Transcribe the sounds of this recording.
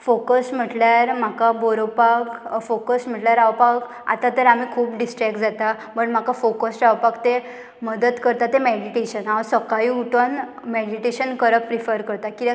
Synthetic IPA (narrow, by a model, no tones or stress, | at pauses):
fokəsm̤əʈljaɾm̤akaboɾopakfokəsm̤əʈljaɾaʋpak | a̰t̪at̪əɾam̤iːkʰuːpɖisʈɾɛk̚ʈd͡zat̪a | məɳm̤akafokəsʈaʋpakt̪e | məd̪əd̪kəɾt̪at̪emeɽiʈeɕənaʋəsəkaiuʈən | meɽiʈeɕənkəɾəpːɾifəɾkəɾt̪aki